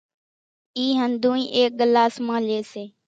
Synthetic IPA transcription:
iːɦənd̪ʱũːĩːʔeːk̚ɠəlaːsmãːleːseː

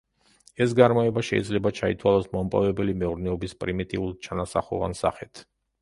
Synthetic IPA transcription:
ɛs̬ɡaɾmɔɛbaʃɛ̰ḭd̪zlɛbat͡ʃʰait̪ʰwalˠɔsmɔmpʼɔ̰vɛbɛlimɛuɾnɛɔbispʼɾimit̪ʼiulˠt͡ʃʰanasa̰χṵva̰nsa̰χɛt̪ʰ

